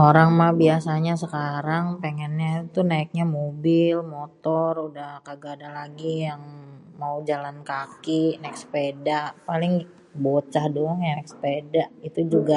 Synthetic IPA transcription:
oɾaŋmabiasaɲasəkaɾaŋpeŋɛnɲat̪unaɪk̚ɲamobɪlmot̪ɔrudahkaɡadalaɡijaŋmaud͡ʒalankakinɛkspedaʔpalɪŋ | bot͡ʃahdoŋjanɛkspedaʔit̪ud͡ʒuɡa

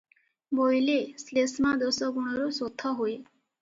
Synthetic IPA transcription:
bojleslesmad̪ɔsɔɡuɽ̃ɔɾosot̪ʰɔɦoe

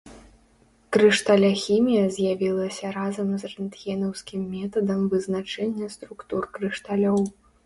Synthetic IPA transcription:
kɾɨʂt̪alʲaxʲimʲijɐzʲjavʲilˠɐsʲɐɾazɐmzrɛnt̪ɣʲɛnɐwsʲkʲimːʲɛt̪ɐd̪ɐmvɨznat͡ʂɛnʲːɐst̪ɾukt̪urkɾɨʂt̪alʲɔw

